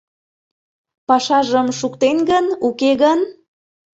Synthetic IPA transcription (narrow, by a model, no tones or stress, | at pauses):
pɑʃɑʒəmʃukt̪enɡənukeɣən